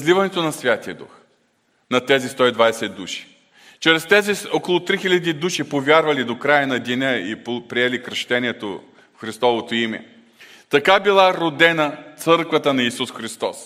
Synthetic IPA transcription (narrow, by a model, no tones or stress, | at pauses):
zlivɐnɛt̪onɐsvʲjat̪iɐd̪ṵx | nɐt̪ɛzist̪ɔid̪vajsɛd̪uʃi̥ | t͡ʃɾɛst̪ɛziokolˠʊt̪ɾixilʲɐd̪id̪uʃipovʲjaɾvɐlid̪okɾajɐnɐd̪inʲəḭppɾiɛlikɾʃt̪ɛniɛt̪o | fxɾist̪ɔvot̪oimɛ̰ | t̪ɐkabilˠaɾod̪ɛnɐt̪sɤɾkvɐt̪ənɐisusxɾist̪ɔs